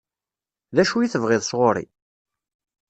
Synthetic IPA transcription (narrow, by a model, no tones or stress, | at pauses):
ðæʃujiθəvʁɪðˤsʁoɾḭ